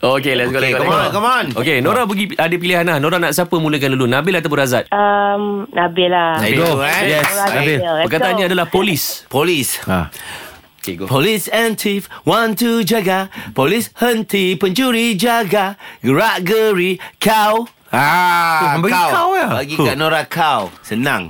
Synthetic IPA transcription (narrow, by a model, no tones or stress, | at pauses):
okelɛsɡoɔmɔkɔmɔnokenoɾabəɡiadəp̬iliɦanlahnoɾanaʔsiapəmũlək̬anlalunãbɪlat̪ap̬ũɾazat̪̚əmnabɪlasaɡojɛsabɪpəkat̪aanɲaadalahpolispolisa̰ | okeɡpolisɛntifwant̪ud͡ʒaɡapolishənt̪ipəɲd͡ʒuɾid͡ʒaɡaɡəɾaʔɡəɾikʰaw | a | bwawabaɡikaʔnoɾakʰawsənã̰ŋ